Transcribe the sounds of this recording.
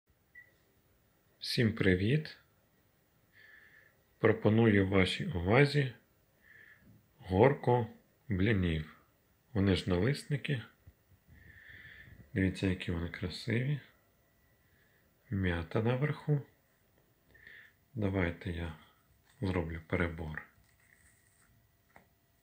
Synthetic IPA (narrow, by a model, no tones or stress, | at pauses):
w̥sʲimpɾɪʋʲid̪ | pɾɔpɔnujʊwʋɑʃʲiʊʋɑzʲi | ɦɔrkɔ | blʲɪnʲiw | ʋɔnɪʒnɐlˠɪsnɪkʲɪ | d̪eʋʲitʲːɐjɐkʲiʋɔnɪkɾɐsɪʋʲi | mʲjat̪ɐnɐʋerxu | d̪ɐʋɑjt̪ɛja | zɾɔblʲʊpeɾebɔr